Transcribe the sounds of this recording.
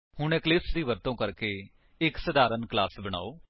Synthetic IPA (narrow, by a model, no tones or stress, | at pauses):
hʊɳẽːklɪsd̪iːʋəɾt̪õːkəɾkeː | ɪksəd̪aːɾənklaːsbəɽ̃a̰ːoː